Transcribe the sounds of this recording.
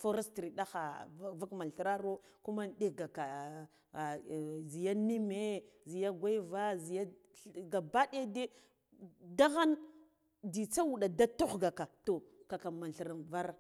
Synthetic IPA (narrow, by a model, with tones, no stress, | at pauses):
fo˦ɾe˦stɾi˨ɗa˦xa˨˦va˦kma˨ɬɾa˦ɾo˦ku˦ma˦nɗe˦ɡa˨ka˨ | zi˨ja˦ni˦me˦zi˨ja˦ɡʷa˦i˦va˦zi˨ja˦ | ɡa˨ba˦ɗa˦de˦ | da˦ɣa˦n | di˨t͡sa˦wu˨ɗa˨da˦to˦xɡa˨ka˨to˨ka˨ka˨ma˨n˨ɬɾa˨nva˦ɾ